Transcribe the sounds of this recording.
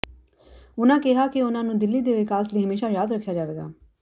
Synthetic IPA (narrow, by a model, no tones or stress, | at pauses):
ʊnãːkɪɦaːkɪʊnãːnũːd̪ɪlːiːd̪eːʋɪkaːsliːɦəmeːʃaːjaːd̪ɾəkʰːjaːd͡ʒaːʋeːɡa̰ː